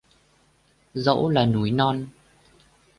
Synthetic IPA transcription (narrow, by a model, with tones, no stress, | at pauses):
zə̰˧˥wlaː˨˩nu˨˦jnɔ˧n